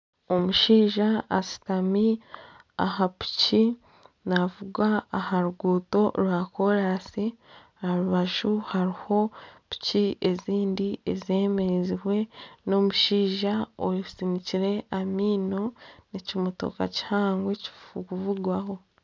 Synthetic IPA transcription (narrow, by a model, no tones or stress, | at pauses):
o̞muʃiːʒaːsi̥tami | a̰hapu̥ci | navuɡaːhaɾuɡuːto̞ɾwako̞ɾaːsi | aɾuβaʒuhaɾiho̞pu̥cie̞ziːndiezie̞ːmeziwe̞no̞muʃiːʒaoisiniciɾe̞amiːno̞necimuto̰ka̰ci̥haːŋɡwe̞ci̥fuɡuvuɡwaho̞